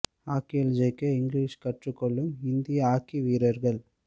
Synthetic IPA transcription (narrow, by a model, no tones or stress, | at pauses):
aːkɪjɐld͡ʒɐɪkːɯɪŋɡliːʂkɐʈrɯkːɔɭːɯmɪnd̪ɪjɐaːkiʋiːɾɐɾɣɐɭ